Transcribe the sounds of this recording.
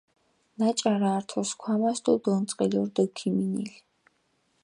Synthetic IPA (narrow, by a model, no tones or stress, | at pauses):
nat͡ʃʼaɾaːɾt̪ʰɔskʰwamasd̪ud̪ɔnt̪sʼqʼiliɔɾd̪ɔkʰiminḭl